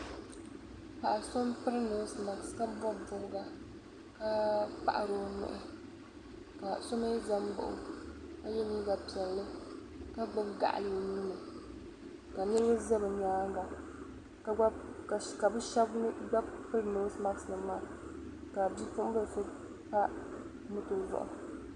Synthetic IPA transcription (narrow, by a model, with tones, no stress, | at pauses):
ka˨ʔa˨so˦mpɨ˦ɾno˨˦sma˨kska˦bɔ˦bbʊ˨ɾɡa˦ | ka˦pa̰˦ʔa˨ɾo˦nʊ̰˨ʔʊ˦ | ka˨so˦me˦za˦mbʊ̰˨ʔʊ̰˦ka˦jɛ˦ni˦ba˨pi˨ɛ˨lːɨ˦ | ka˦ɡ͡ba˦bɡa̰˦ʔa̰˨lɨ˨o˨niː˦nɨ˨ | ka˨nɨ˦ɾbɨ˦za˦bɨ˨ɲaː˨˦ŋɡa˨ | ka˦˨ka˨bɨ˦ʃɛ˦bɡ͡ba˦pɨ˦ɾno˦sma˦ɡsnɨ˨maː˦˨ | ka˨bi˦fʊ˦ʊ˦bɨ˦˨sʊ˦ | pa˦ | mʊ˦to˨zʊ̰˦ʔʊ̰˨